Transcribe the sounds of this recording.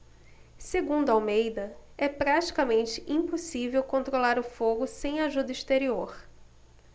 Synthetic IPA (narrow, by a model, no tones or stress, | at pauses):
seɡũnd̪ʊawmejd̪ɐɛpɾat͡ʃi̥kɐmẽnt͡ʃɪ̥ʔĩposivewkõnt̪ɾolaɾʊfoɡʊsẽj̃aʒud̪ɐist̪eɾioɾ